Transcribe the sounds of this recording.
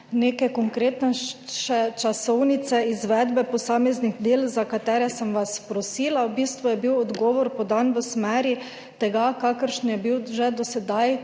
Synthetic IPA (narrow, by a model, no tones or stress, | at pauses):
neːkɛkoŋkɾeːt̪nɛʃɛt͡ʃasɔwnit̪sɛizʋɛːd̪bɛpɔsaːmɛzniɡd̪eːlzakat̪ɛːɾɛsəmʋaspɾɔsiːlawbiːst̪ʋujɛbiwɔd̪ɡɔːʋɔɾpɔd̪anʋəsmɛːɾji | t̪ɛɡakakəɾʃnjɛbiwʒɛd̪ɔsɛd̪aj